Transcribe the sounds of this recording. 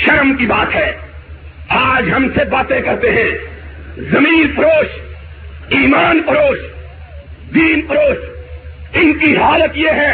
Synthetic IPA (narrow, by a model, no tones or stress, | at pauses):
ʃɐɾmkibaːt̪ɦɛː | aːd͡ʒɦɐmsebaːt̪ekɐɾt̪eɦɛ̃ː | zɐmiːnpɐɾoːʃ | iːmaːnpɐɾoːʃ | d̪iːnpəɾoːʃ | ɪnkiɦaːlət̪jeɦɛː